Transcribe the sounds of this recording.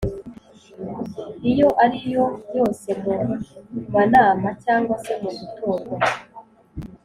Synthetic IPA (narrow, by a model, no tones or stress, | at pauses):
ijo̞ʔaɾijo̞jo̞ːse̞mumanaːmacaːŋɡwase̞muɡutʰoːɾo